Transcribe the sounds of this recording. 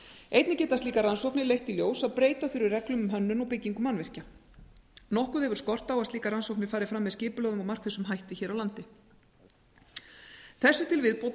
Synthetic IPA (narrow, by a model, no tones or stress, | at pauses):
ejt̪nɪcɛːt̪ast̪iːkaɾansowknɪlejht̪iljoːwsaðpɾeːjt̪afɪːɾʏrɛklʏmʏmɦœnːʏnɔɣpɪcːiŋkʏmanvɪr̥ca | nɔhkʏðhɛvʏɾ̥skɔr̥t̪awasliːkaɾansowknɪ̥faːɾɪfɾamːɛðscɪːpʏlœːɣðʏmawmar̥kvɪsʏmɦajht̪ɪçɛːɾawlant̪ɪ | θɛsːʏt̪ʰɪlvɪðpowt̪